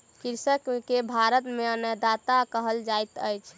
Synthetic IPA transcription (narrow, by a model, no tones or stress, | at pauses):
kiɾsəkkebʱaɾət̪meənəd̪at̪akəɦəld͡ʒajt̪əjt͡ʃʰ